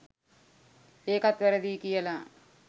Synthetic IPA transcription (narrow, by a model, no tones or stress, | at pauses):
eːkat̪ʋæɾəd̪iːkijəla